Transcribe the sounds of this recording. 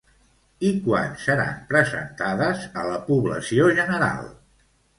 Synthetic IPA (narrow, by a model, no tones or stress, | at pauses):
ikwa̰nsəɾa̰mpɾəzə̰nt̪aðəzələpuβlə̰sioʒənəɾa̰lˠ